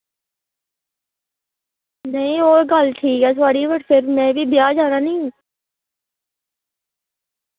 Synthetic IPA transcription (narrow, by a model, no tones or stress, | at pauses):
nɐɦĩoːɾɡalʈʰiːkɦɛt̪ʰaːɽiʋəʈpʰɪɾmɛ̃ːbʱibɪjaːd͡ʒaːnanɐĩ